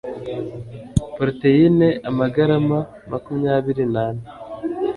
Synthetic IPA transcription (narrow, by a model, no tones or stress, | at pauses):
poɾtejineʔamaɡaɾama | makumɲaːβiɾinane